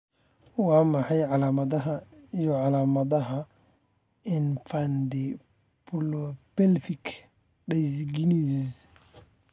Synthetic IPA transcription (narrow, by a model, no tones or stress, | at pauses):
waːmɐħɑjʕalaːmɐðɐɦɐijɔʕalaːmɐðɐɦɐ | ɪnfɐnd̪ɪ | pʊlɔbɛlfɪk | ɖɐjsɡinisɪs